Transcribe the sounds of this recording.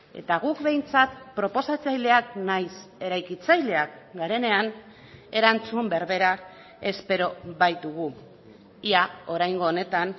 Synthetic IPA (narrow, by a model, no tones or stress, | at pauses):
e̞̰t̪aɣukbe̞jnt͡sat̪pɾo̞po̞sat͡sajle̞aknajse̞ɾajkit͡sajle̞ak̚ɡaɾe̞ne̞an | e̞ɾant͡sumbeɾβe̞ɾa | e̞spe̞ɾo̞βajt̪uɣ̞u | iao̞ɾajŋɡo̞ːne̞t̪an